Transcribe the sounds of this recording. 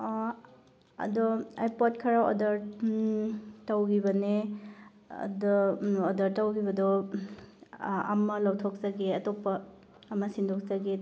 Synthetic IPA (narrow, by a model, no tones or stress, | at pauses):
ɐ̰dɔajpot̚kʰɐɾaɔ̰dɐɾ | tawɡibɐne | ɐ̰dɔodɐɾtɐwɡibɐdɔ | ɐ̰mɐlawtʰɔk̚zɐɡeɐtopːɐː | mɐsindʰʱok̚zɐɡe